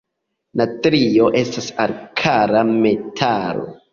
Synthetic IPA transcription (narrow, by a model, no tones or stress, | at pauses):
natɾio̞ʔe̞stasaɾkʰaɾame̞tʰaɾo̰